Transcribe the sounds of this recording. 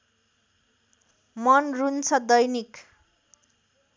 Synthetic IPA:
mʌnrunt͡sʰʌd̪ʌjnik

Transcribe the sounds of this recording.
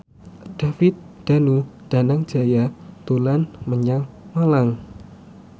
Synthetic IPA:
d̪̥a̤fɪt̪̚d̪̥a̤nud̥a̤naŋd̥d͡ʒ̥a̤jat̪ulanməɲaŋmalaŋ

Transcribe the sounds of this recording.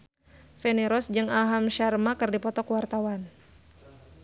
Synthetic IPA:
fɛnɛɾɔsd͡ʒɨŋaɦamʃarmakɨrdipɔt̪ɔkwart̪awan

